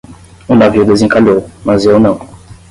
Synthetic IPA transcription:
ũnaviud̪ezĩkalomazewnɐ̃w̃

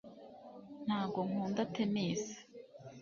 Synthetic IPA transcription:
n̥haːb̚ɡo̞ŋuːndatemiːsi̥

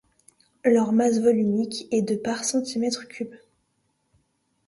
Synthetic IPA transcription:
lœʁmasvɔlynikɛd̪əpaʁsɑ̃t̪imɛt̪χkʲʰyb

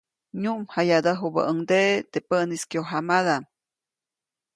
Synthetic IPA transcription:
ɲuʔmhajad̪əɦubə̰ʔəŋd̪eʔt̪epəniskjoɦamad̪am

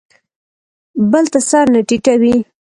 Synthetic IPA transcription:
bəlt̪asɑɾnaʈiʈawi

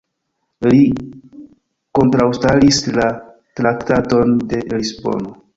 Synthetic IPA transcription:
li | ko̞ntɾawstalisla | tɾaktato̞nde̞lisbo̞̰no

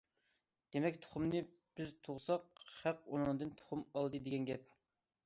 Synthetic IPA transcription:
d̪̥emɛkʲt̪ʰo̥χumnɨ | b̥ɪzt̪ʰoʁsɑq̚hæqonɨŋɨd̪ɨnt̪ʰo̥χumɑlˠd̪ɨd̪eɡʲɛnɡʲɛp̚

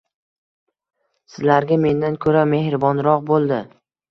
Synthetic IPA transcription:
sɪzlaɾɡʲame̞nd̪ankʰɵɾame̞hɾɪbɒnɾɒqbolˠd̪ɪ

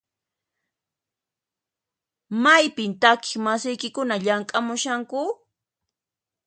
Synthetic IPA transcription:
majpɪnt̪akɪ̥χmasɪjkɪkʊnaʎaŋkʼamʊʃaŋkʊ

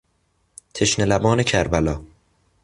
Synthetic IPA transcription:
t̪ʰe̞ʃnelæbɒːne̞cʰæɾbælɒː

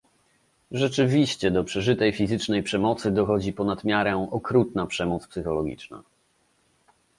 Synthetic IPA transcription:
ʐɛt͡ʂɘvʲiɕt͡ɕɛd̪ɔpʂɛʐɘt̪ɛjfʲizɘt͡ʂnɛjpʂɛmɔt̪sɘd̪ɔxɔd͡ʑipɔnad̪mʲjaɾɛmɔkɾut̪napʂɛmɔt̪spsɘxɔlɔɡʲḭt͡ʂna̰

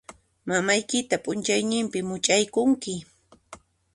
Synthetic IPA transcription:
mamajkɪt̪apʼʊnt͡ʃajnɪmpɪmʊt͡ʃajkʊŋkɪ

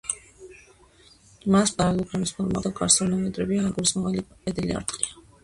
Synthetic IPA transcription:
maspʼaɾalɛlˠupʰɾɛmispʰɔlˠma̰ɔlkʼaɾsɛɾnamɛt̪ʼɾɛbiaɡuɾismaʁalipʼɛd̪ilḭa̰ɾt̪ʼqʼia

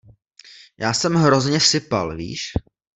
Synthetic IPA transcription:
jaːsɛmɦɾo̞zɲɛsɪpa̰lvḭːʃ

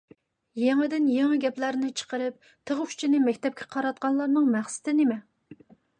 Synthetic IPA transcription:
jeŋɪd̪ɪnjeŋɨɡʲɛplæɾnɪt͡ʃʰə̥qəɾɨp̚ | t̪ʰəʁkʰy̥t͡ʃʰinɪmɛkʲt̪ɛp̚kʲʰɛ̥qʰɑɾɑt̪̚qʰɑnlˠɑɾnɨŋmæχsɪ̥t̪ʰɪnɪmɛ

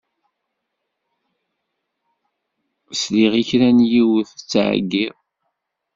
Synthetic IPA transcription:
sliʁiçɾænjiwθt͡sːʕ̰ɡːið

